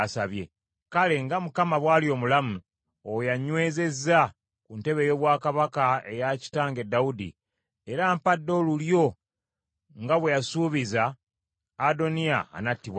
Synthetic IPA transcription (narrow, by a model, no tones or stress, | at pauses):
saβje̞̰ | kale̞ŋɡamukamaβwaːljo̞ːmulamu | ojaɲwe̞ːze̞zːa | kunte̞βe̞jo̞βwaːkaβakae̞̰jaci̥taːŋɡe̞dːaudḭ | eɾaːmpadːo̞ːluljo̞ | ŋɡaβwe̞jasuːβizaː | do̞nia̰ːnatːiβwa